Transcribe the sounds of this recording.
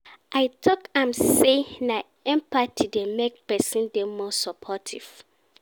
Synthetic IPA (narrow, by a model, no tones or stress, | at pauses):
ʔaɪtʰɔkãmsena | ɛ̃mpatʰidɛmek̚pɛsĩndɛ̃mɔsɔpʰɔtʰḭv̥